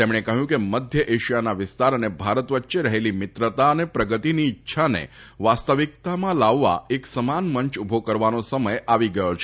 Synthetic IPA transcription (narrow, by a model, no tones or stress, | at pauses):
t̪emɽ̃ekəɦjũkeməd̪ʱjəʔeʃijanaʋɪst̪aɾənebʱaɾət̪ʋətːʃeɾəɦelimɪt̪ɾət̪aənepɾəɡət̪iniːtːʃʰanḛ | ʋast̪əʋik̚t̪amãlaʋːa̰eksəmanməɲt͡ʃubʱokəɾʋanosəməjaʋiɡəjot͡ʃʰ